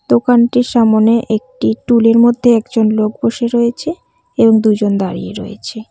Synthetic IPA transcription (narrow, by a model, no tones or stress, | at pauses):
d̪̥okanʈiʃamoneʔek̚ʈiʈuleɾmod̪ʱːeɛkd͡ʑonlok̚boʃeɾɔjet͡ɕʰe | eboŋd̪ud͡ʑond̪aɾḭjḛɾɔ̰jḛt͡ɕʰe